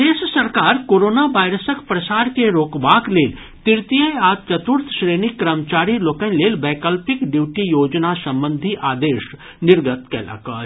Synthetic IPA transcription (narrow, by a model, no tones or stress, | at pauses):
eːʃsɐɾkaːɾkoːɾoːnaʋaːɪɾəsəkpɾɐsaːɾkeɾoːkbaːkleːl | t̪ɪɾt̪ijəaːt͡ʃɐt̪ʊɾt̪ʰʃɾeːnikːɾəmt͡ʃaːɾiloːkə̃nleːlbɛːkəlpɪkɖjuːʈijoːd͡ʒnasɐ̃mbə̃nd̪ʱiʔaːd̪eːʃ | nɪɾɡət̪kɛ̰ːla̰kaː